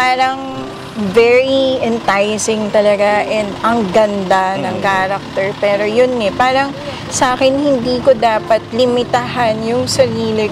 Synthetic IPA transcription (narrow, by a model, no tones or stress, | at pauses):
paːɾɐŋ | vɛɹiɛnt̪ajsɪŋt̪ɐlɐɡaʔɛnd̪ɐŋɡɐnd̪anɐŋkaːɾɐk̚t̪ɛɹpɛːɾo̞jonːɛpaːɾɐŋ | sʔaːkɛnhɪnd̪iːkod̪aːpɐt̪̚lɪmɪt̪aɦɐnjʊŋsɐɾiːlɪ